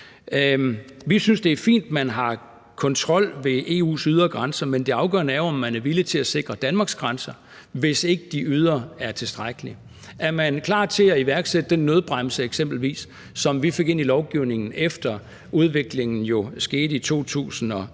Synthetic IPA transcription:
ʋisynsd̥e̝æɐfḭːnd̥mænɦɑ̈ | kʰɒ̽nt͡sʰʁɒ̽l̰ʋe̝ʔe̝̰ːṵːsyð̞ˠɐɡ̥ʁansɐmend̥e̝ɑ̈ʊɡ̥ɶ̰ɐnəæɐoɒ̽mːænæɐʋilət͡sʰe̝æse̝ɡ̥ʁɐd̥ænmɑ̈ːɡ̥sɡ̥ʁansɐ | ʋe̝se̝ɡ̥əd̥iʔyð̞ˠɐæɐt͡sʰe̝lsd̥ʁaɡ̥əli | æɐmænkʰlɑ̰̈ːt͡sʰe̝æiʋæɐɡ̥sed̥əd̥enːøðˠb̥ʁaml̩səeɡ̥sem̰b̥l̩ʋḭːs | sɒ̽mʋife̝ɡ̥e̝n̰ilɒʊɡ̥iʊ̰ne̝ŋn̩efd̥ɐ | ʔuð̞ˠʋe̝ɡ̥le̝ŋn̩jo̝sɡ̥e̝ːd̥it͡sʰo̝̰ːt͡sʰṵːsn̩ɒ̽

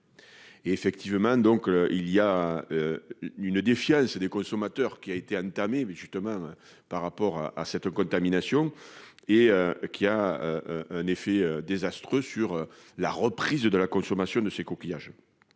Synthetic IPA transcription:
eefɛk̚t̪ivəmɑ̃d̪ɔ̃køiliaøynəd̪efjɑ̃səd̪ekɔ̃sɔmat̪œʁkʲiaet̪eɑ̃nt̪ameʒyst̪əmɑ̃ø | paʁːapɔʁa̰a̰sɛt̪kɔ̃nt̪aminasjɔ̃ | eøkʲʰiaøɛ̃nefeød̪ezast̪χøsyʁø | laʁəpχizəd̪əlakɔ̃sɔmasjɔ̃d̪əsekɔkʲijaʒ

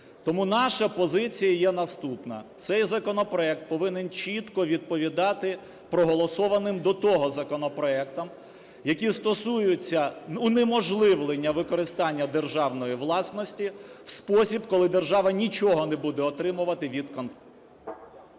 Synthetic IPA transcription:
t̪ɔmunɑʃɐpɔzɪt͡sʲijɐjɛnɐst̪upnɐ̰t̪sɛjzɐkɔnɔpɾɔɛk̚t̪̚pɔʋɪnent͡ʃʲit̪kɔʋʲid̪̚pɔʋʲid̪ɑt̪ɪ | pɾɔɦɔlˠɔsɔʋɐnɪmd̪ɔt̪ɔɦɔzɐkɔnɔpɾɔɛkt̪ɐm | jɐkʲist̪ɔsujʊt͡sʲːɐunemɔʒlˠɪʋlˠɪnʲːɐʋɪkɔɾɪst̪ɑnʲːɐd̪erʒɑwnɔjiʋlˠɑsnɔsʲtʲiwspɔsʲibkɔlˠɪd̪erʒɑʋɐnʲit͡ʃɔɦɔnebud̪ɛɔt̪ɾɪmʊʋɐt̪ɪʋʲid̪kɔnt̪

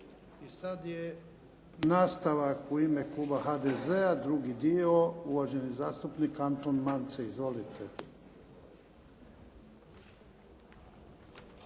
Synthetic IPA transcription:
isad̪je | naːst̪aʋakuimeklˠuːbahad̪ezead̪ɾuɡid̪io̞uʋaʒe̞nizaːst̪upnikːant̪onmant̪seizʋo̞lit̪ʰe

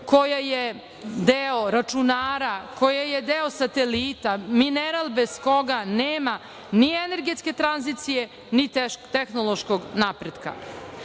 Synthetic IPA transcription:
kojaje | d̪eoɾat͡ʂunaːɾakojajed̪eosat̪eliːt̪amineɾalˠbezko̞ɡaneːma | nieneɾɡe̞t̪ske̞t̪ɾanzit̪sije | nit̪t̪exnolˠoʃkoɡnapɾed̪ka̰

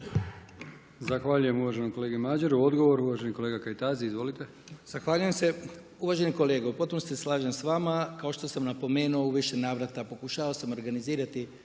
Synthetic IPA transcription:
zaxʋaːʎujemuʋaʒenomko̞le̞ːɡimaːd͡ʒeɾuo̞d̪ɡo̞ʋo̞ɾuʋaʒeniko̞leɡakajt̪aːziizʋo̞lit̪e | z̥axʋaːʎuje̞mse̞ | uʋaːʒe̞niko̞le̞ːɡaupo̞t̪̚punoseslˠaːʒensʋaːmakao̞ʃt̪o̞samnapo̞me̞ːnuouʋiʃe̞naːʋɾat̪apo̞kuʃaːʋaosamo̞ɾɡaniziːɾat̪i

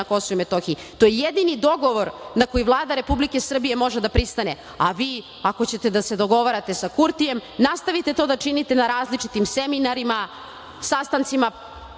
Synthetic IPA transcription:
ako̞souimet̪o̞xii | t̪o̞jejed̪inid̪o̞ɡo̞ʋo̞ɾnako̞jiʋlˠaːd̪aɾe̞publike̞sr̩bije̞mo̞ʒe̞d̪apɾist̪ane | aʋiː | ako̞t͡ɕe̞t̪e̞d̪ase̞d̪o̞ɡo̞ʋaɾat̪e̞sakuɾt̪ije̞mnast̪aʋit̪e̞t̪o̞d̪at͡ʃinit̪e̞naɾaːzlit͡ʂit̪imse̞minaɾima | sast̪ant̪sima

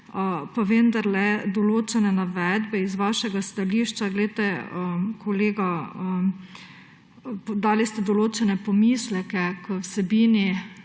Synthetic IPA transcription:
əpaʋend̪aɾlɛd̪ɔloːt͡ʃɛnɛnaʋɛd̪bɛizʋaːʃɛɡast̪aliʃt͡ʃaɡlɛt̪ɛəkʰoleːɡaə | d̪aːlist̪ɛd̪ɔloːt͡ʃɛnɛpɔmislɛkɛkəwsɛbiːni

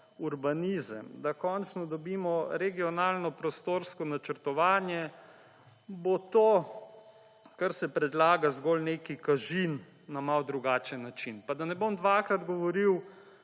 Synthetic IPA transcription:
uɾbaniːzəmd̪akɔnt͡snɔd̪ɔbiːmɔɾɛɡiɔnaːlnɔpɾɔst̪oɾskɔnat͡ʃəɾt̪ɔʋaːnjɛ | bot̪oː | kaɾsɛpɾɛd̪laːɡazɡolneːkikaʒinː | amawd̪ɾuɡaːt͡ʃɛnːat͡ʃinpad̪anɛbomd̪ʋaːkɾad̪ɡɔʋɔɾiw

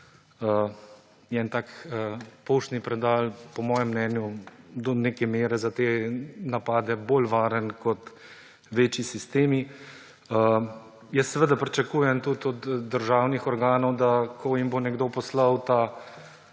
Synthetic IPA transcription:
ə | jɛnt̪aːkəpowʃt̪nipɾɛd̪aːlpɔmɔːjɛmːnɛnjud̪ɔneːkɛmeːɾɛzat̪eːnapaːd̪ɛboːlʋaːɾənkɔt̪ | ʋeːt͡ʃisist̪eːmi | ə | jɛst̪ːɛʋəd̪apɾit͡ʃakuːjɛmt̪ut̪ɔd̪d̪ːəɾʒaːwnixɔɾɡaːnɔwd̪akʰɔjimbonɛɡd̪oːpɔslɐwt̪a

